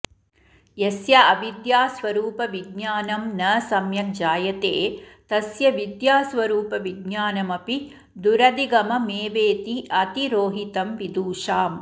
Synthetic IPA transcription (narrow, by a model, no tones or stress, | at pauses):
jesjɐɐʋid̪jaːsʋɐɾuːpɐʋiɡɲaːnɐmnɐsɐmjɐk̚d͡ʒaːjɐt̪eːt̪ɐsjɐʋid̪jaːsʋɐɾuːpɐʋiɡ̚ɲaːnɐmɐpi | d̪uɾɐd̪iɡɐmɐmeːʋeːt̪iʔɐt̪iɾoːɦit̪ɐmʋid̪uːʃaːm